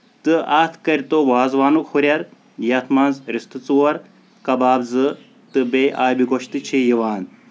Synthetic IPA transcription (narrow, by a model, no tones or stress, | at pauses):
t̪ɨɐːt̪ʰkɐɾʲt̪oʋaːzʋaːnukxuɾʲɐɾ | jɐt̪ʰmɐnzɾist̪ɨt͡suwɐɾ | kɐbaːbzɨ | t̪ɨbeːʔaːjbiɡoʃt̪ɨt͡ʃʰijiʋaːn